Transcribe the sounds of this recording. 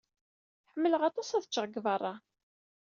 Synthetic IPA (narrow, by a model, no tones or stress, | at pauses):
ħəmːələʁɑt̪ˤɑsæðət͡ʃːəʁəɡvərˤːɑ